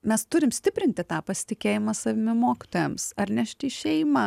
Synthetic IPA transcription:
mʲɛst̪ʊɾʲɪmsʲt̪ʲɪpʲɾʲɪnʲt̪ʲɪt̪ɑːpɐsʲɪ̥t̪ʲɪkʲeːjɪmɑsɐʋʲɪmʲɪmoːkʲɪ̥t̪oːjɛmsɐɾnʲæʃʲt̪ʲiːʃʲɛɪmɐ

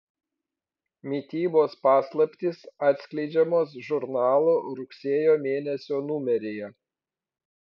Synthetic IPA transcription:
mʲit̪ʲiːboːspɑːslˠɐpʲt̪ʲisɑːt̪ʲsʲkʲlʲɛɪd͡ʒʲɛmoːs̬ʒʊɾnɑːlˠoːɾʊksʲeɛjoːmʲeːnʲɛsʲoːnʊmʲɛɾʲeːjɛ

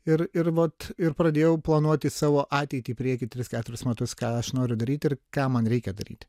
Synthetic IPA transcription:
ɪɾɪɾʋɐt̪ɪɾpɾɐd̪ʲeːjɛʊplˠɐnuɔt̪ʲɪsɑːʋoːʔɑːt̪ʲɛɪt̪ʲiːpʲɾʲiɛkʲɪt̪ʲɾʲɪskʲæːt̪ʊɾʲɪsmʲɛt̪ʊskɑːɐʃnoːɾʲʊd̪ɐɾʲiːt̪ʲɪɾkɑːmɐnɾʲɛɪkʲɛd̪ɐɾʲḭːt̪ʲ

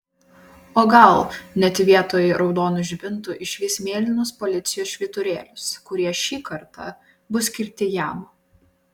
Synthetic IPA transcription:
oːɡɐlˠnʲɛt̪ʲʋʲiɛt̪oːjɛɾɒʊd̪oːnʊʒʲbʲɪnt̪ʊʔɪʃʲʋʲiːsmʲeːlʲɪnʊspɔlʲɪt̪sʲɪjoːsʃʲʋʲɪt̪ʊɾʲeːlʲʊskʊɾʲiɛʃʲiːkɐɾt̪ɑ̰ | bʊsʲkʲɪɾʲt̪ʲɪjæm

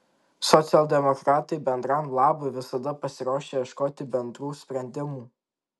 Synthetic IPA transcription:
sɔt̪sʲɪɛlˠd̪ʲɛmɔkɾɑːt̪ɐɪbʲɛnd̪ɾɑmlˠɑːbɔɪʋʲɪsɐd̪ɐpɐsʲɪɾoːʃʲeːjɛʃkoːt̪ʲɪbʲɛnd̪ɾuːsʲpʲɾʲɛnʲd̪ʲɪmuː

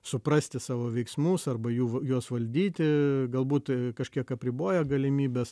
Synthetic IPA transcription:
sʊprɑsʲt̪ʲɪsɑːʋoːʋʲɛɪksmusɐrbɐjuːjuɔsʋɐlʲd̪ʲiːt̪ʲɪɡɐlˠbuːt̪kɐʃʲkʲiɛkɐpʲɾʲɪboːjɛɡɐlʲɪmʲiːbʲɛs

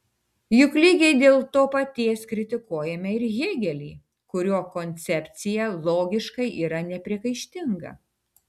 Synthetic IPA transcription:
jʊklʲiːɡʲɛɪd̪ʲeːlˠt̪oːpɐt̪ʲiɛskɾʲɪt̪ʲɪkuɔjɛmʲɛɪɾɣʲeːɡʲɛlʲiː | kʊɾʲoːkonʲt̪sʲɛpʲt̪sʲɪjɛlˠoːɡʲɪʃkɐɪʔiːɾɐnʲɛpʲɾʲiɛkɐɪʃʲt̪ʲɪŋɡɐ̰

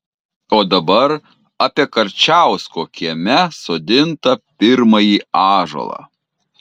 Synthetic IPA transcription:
oːd̪ɐbɐɾ | ɐpʲiɛkɐɾʲt͡ʃʲæˑʊskoːkʲiɛmʲɛsoːd̪ʲɪnt̪ɐpʲɪɾmɐjiːɑːʒo̰lˠɑ̰

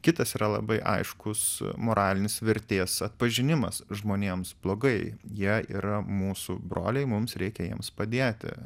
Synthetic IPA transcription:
kʲɪt̪ɐsiːɾɐlˠɐ̰bɐɪʔɐ̰ɪʃkʊsmoːɾʔɑːlʲɪnʲɪsʋʲɪɾʲt̪ʲeːsɐt̪pɐʒʲɪnʲɪmɐsʒmoːnʲeːmsblˠoːɡɐɪjiɛḭːɾɐmuːsṵbɾo̰ːlʲɛɪmʊmsɾʲɛɪkʲɛjiɛmspɐd̪ʲeːt̪ʲɪ̰

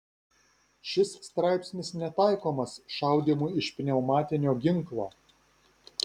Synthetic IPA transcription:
ʃʲɪssːt̪ɾɑˑɪpʲsʲnʲɪsnʲɛt̪ɑɪkoːmɐsʃɑˑʊd̪ʲemuːɪʃʲpʲnʲɛʊmɑːt̪ʲɪnʲoːɡʲɪŋˑklˠoː

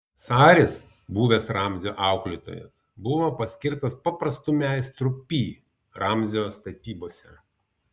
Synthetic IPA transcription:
sɑːɾʲɪs | buːʋʲeːsɾɑːmʲzʲoːʔɑˑʊklʲɪt̪o̰ːjɛ̰s | bʊʋoːpɐsʲkʲɪɾt̪ɐspɐpɾɐst̪ʊmʲɛˑɪst̪ɾʊpʲiː | ɾɑːmʲzʲɪjoːst̪ɐt̪ʲiːboːsʲɛ

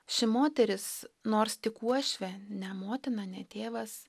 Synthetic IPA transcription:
ʃʲɪmoːt̪ʲɛɾʲɪsnoːɾst̪ʲɪkuɔʃʲʋʲɛnʲɛmoːt̪ʲɪnɐnʲɛt̪ʲeːʋɐs

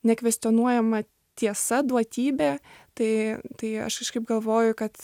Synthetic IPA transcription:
nʲɛkʋʲɛsʲt̪ʲɪɔnuɔjɛmɐ | t̪ʲiɛsɐd̪uɔt̪ʲiːbʲeːt̪ɐɪt̪ɐɪɐ̰ʃkɐʃkɐɪp̚ɡɐlˠʋoːjʊkɐt̪

